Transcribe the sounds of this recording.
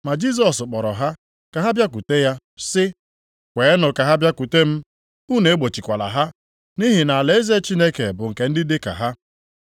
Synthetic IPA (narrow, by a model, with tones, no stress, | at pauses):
ma˨d͡ʒi˦˨s̬ɔ˨sk͡pɔ˨ɾɔ˨ɦa˦ | ka˨ɦa˦bja˦k̬u˨te˦ja˦ | sɪ˦ | kʷe˨˦nʊ˨ka˨ɦa˦bja˦ku˨te˦m̩˦ | u˦ne˨˦ɡ͡bo˨t͡ʃi˨kʷa˨la̰˨ɦa˦ | ni˦ɦi˨na˨a˨le˨e˦ze˦t͡ʃi˦ne˦ke˨bʊ˨ŋ̩˨ke˨n̩˦dɪ˦dɪ˦ka̰˨ɦa˦